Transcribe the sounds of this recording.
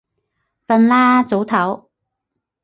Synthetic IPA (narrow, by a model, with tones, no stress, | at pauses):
fɐ˧nlaː˥t͡so˨˥wt̪ʰɐ˨˥w